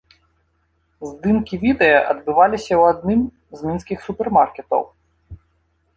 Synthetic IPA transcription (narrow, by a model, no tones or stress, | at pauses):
zd̪ɨnkʲivʲid̪ɛjɐʔɐd̪bɨvalʲisʲɐwad̪̚nɨm | zmʲinskʲixsupʲɛrmarkʲɛt̪ɐ̰w